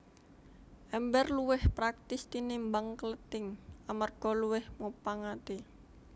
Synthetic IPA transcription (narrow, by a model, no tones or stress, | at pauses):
ʔɛmbɛrluwɪhpɾak̚t̪ɪst̪inɪmbaŋkələt̪ɪŋamarɡ̥ɔluwɪhmupaŋat̪e